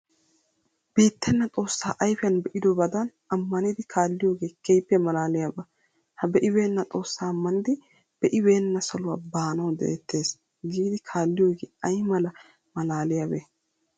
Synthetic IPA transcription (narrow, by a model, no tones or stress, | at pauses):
b̥iːt̪ːɛnːɐt̪ʼo̞ːsːaːʔɐjfɪjɐnbɛʔɪd̪ɔbɐd̪ɐn | ɐmːɐnɪd̪ɪkʰaːlːɪjo̞ːɡe̞ːkɛjpːɛmɐlaːlɪjabɐ | hɐbɛʔɪbe̞ːnːɐt̪ʼo̞ːsːaːmːɐnɪd̪ɪ | b̥ɛʔɪbe̞ːnːɐsɐlʊwaːbaːnɐwd̪ɛ̰ʔt̪ːe̞ːs | ɡiːd̪ɪkʰaːlːɪjo̞ːɡeːɐjmɐlɐ | mɐlaːlɪjabeː